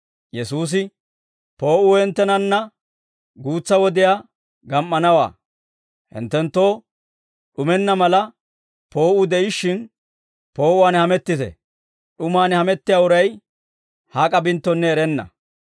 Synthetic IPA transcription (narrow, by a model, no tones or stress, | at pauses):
jɛsuːs̬ɪ | po̞ːʔʊːhɛnt̪ːɛnɐnːɐ | ɡuːt͡sːɐwɔd̪ɪjaː | ɡɐmːɐnɐwa̰ː | hɪ̰nt̪ːɛnt̪ːo̞ː | ɗʊmɛnːɐmɐlɐ | po̞ːʔʊd̪ɛʔɪʃːɪn | po̞ːʔʊwaːnhɐmɛt̪ːɪt̪ɛ̰ | ɗʊmaːnhɐmɛt̪ːɪjaːʊɾɐj | hakʼɐbɪnt̪ːɔnːɛːɾɛnːɐ̰